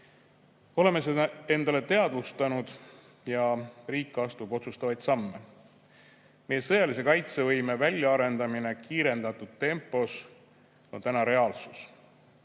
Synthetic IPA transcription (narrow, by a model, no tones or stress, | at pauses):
o̞le̞mesee̞nd̪ɑle̞t̪e̞ɑd̪̥vust̪ɑnud̪̥ | jɑriːkːˑɑst̪ubo̞t̪sust̪ɑvɑjd̪sɑmːe̞ | me̞je̞sɤjɑlis̬e̞kɑjt̪se̞vɤjme̞vælʲjɑɑɾe̞nd̪ɑmine̞kiːɾe̞nd̪̥ɑt̪ːˑud̪̥̚t̪e̞mpˑo̞s | o̞nt̪ænɑɾe̞ɑːlsus